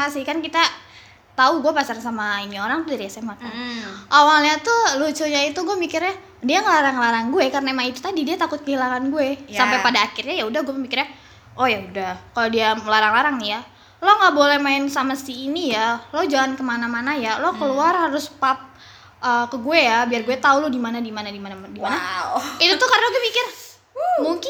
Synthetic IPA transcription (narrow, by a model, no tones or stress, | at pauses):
asihkankit̪a | t̪auɡuapasarsamainioɾaŋt̪udaɾijasemak̪̚aʔawalɲat̪ulut͡ʃuɲait̪uɡuɛmikɪrɲa | diaŋəlaɾaŋlaɾaŋɡuɛkarnaemait̪u̥t̪adidiat̪akʊt̪̚kəɦilaŋanɡuesampajpadaːkɪrɲajaudahɡuamikɪrɲa | ʔojaudahkalodiaməlaɾaŋlaɾaŋnija | loŋɡabolɛhmaɪnsamasiːnijalod͡ʒaŋankəmanamanajalokəluarhaɾʊspap̚ | ʔəkəɡuejabiarɡuɛt̪aulodimanadimanaimanadimanait̪ut̪ʊkaɾənaɡuemikɪr | muŋkɪ